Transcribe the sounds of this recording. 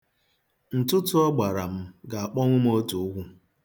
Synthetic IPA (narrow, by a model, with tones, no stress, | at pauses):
n̩˨tʊ˦tʊ˦ɔ˦ɡ͡ba˨ɾa˨m̩˦ɡa˨a˨k͡pɔ˦ŋʷʊ˦m˦o˦tu˨ʊ˦ɡʷu˦